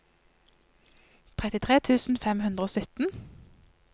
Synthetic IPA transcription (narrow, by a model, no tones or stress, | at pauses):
t̪ʰʁɛt̪ɪt̪ʰʁeːt̪ʰʉːsn̩fɛmhʉnd̪ʁəoːsʏt̪n̩